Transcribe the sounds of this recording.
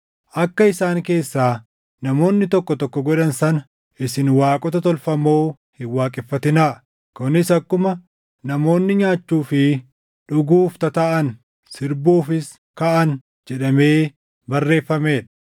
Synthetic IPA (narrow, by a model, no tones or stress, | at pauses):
ʔɐkːɐɪsaːŋke̞ːsːaː | nɐmo̞ːnːɪt̪ɔkːɔt̪ɔkːɔɡɔᶑɐnsɐnɐ | ʔɪsɪnwaːkʼɔt̪ɐt̪ɔlfɐmo̞ː | hɪwaːkʼɪfːɐt̪ɪnaː | kʊnɪsɐkːʊmɐ | nɐmo̞ːnːɪɲaːt͡ʃːuːfɪ | ᶑʊɡuːft̪ɐt̪ɐʔɐn | sɪɾbuːfɪs | kɐʔɐn | d͡ʒɛᶑɐme̞ː | bɐrːe̞ːfːɐme̞ːᶑ̥